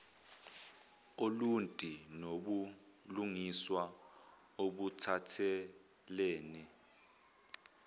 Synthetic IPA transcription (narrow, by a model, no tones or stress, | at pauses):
oluntʼinoɓu | luŋiswa | oɓutʰatʰɛ | leːni